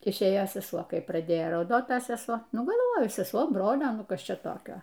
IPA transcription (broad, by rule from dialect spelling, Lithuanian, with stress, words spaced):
ɪʃʲˈeːjoː sʲɛˈsuɔ ˈkɐɪ prɐˈdʲeːjoː rɐʊˈdoːt ˈtɐ sʲɛˈsuɔ ˈnʊ ɡɐlˠˈʋoːjʊ sʲɛˈsuɔ ˈbroːlʲoː ˈnʊ ˈkɐs ˈt͡ʃʲɛ ˈtoːkʲoː